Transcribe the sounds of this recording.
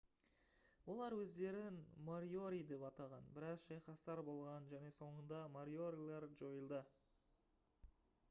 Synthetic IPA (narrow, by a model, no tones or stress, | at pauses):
wo̞lˠɑɾwɵzd̪e̞ɾɪnmaɾio̞ɾʲijd̪e̞pɑt̪ɑʁɑnbɪɾɑzʃɑjχɑst̪ɑɾbo̞lˠʁɑnʒæne̞so̞ɴənd̪ɑmaɾio̞ɾʲijlˠɑɾʒo̞jəlˠd̪ə